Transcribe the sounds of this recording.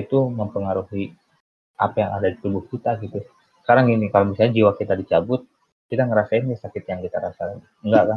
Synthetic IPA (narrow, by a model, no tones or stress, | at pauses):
it̪uməmpəŋaɾuɦi | ʔa̰pajaŋa̰dadit̪ubʊhkit̪aɡit̪u | səkaɾaŋinikalomisalɲad͡ʒiwakit̪adit͡ʃabʊt̪̚ | kit̪aŋəɾasaɪnkasakɪt̪jaŋkit̪aɾasa | ŋɡakan